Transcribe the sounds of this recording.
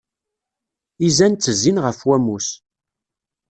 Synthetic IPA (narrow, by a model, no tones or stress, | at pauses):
izænt͡sːəzːinʁəfwæmus